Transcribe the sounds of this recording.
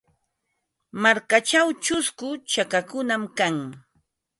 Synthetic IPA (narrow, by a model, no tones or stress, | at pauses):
maɾkat͡ʃawt͡ʃʊskʊt͡ʃakakʊnamkaŋ